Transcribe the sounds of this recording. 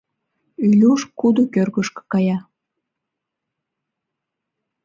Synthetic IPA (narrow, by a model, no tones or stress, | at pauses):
ylʲuʃkud̪okørɣəʃkɤ̥kɑjɑ